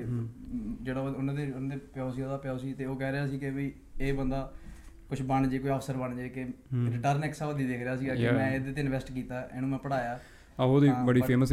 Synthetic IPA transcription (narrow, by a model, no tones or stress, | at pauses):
d͡ʒeːɽaːʊnãːd̪eːñːd̪eːpɪjɔːsiːoːd̪aːpɪjɔːsiːt̪eːoːkɛːɾeaːs̬iːkɪbiː | eːbənd̪aːkʊt͡ʃʰbəɳd͡ʒeːkoːiəfʰsəɾbəɳd͡ʒeːkɪɾɪʈəɾnɛksaːod̪iːd̪eːkʰɾeaːsiːɡaːɪmɛ̃ːed̪eːt̪ɪɪnʋɛːsʈkiːt̪aːḛːnũːmɛ̃ːpəɽaːjaː | oːd̪iːbəɽiːeːməs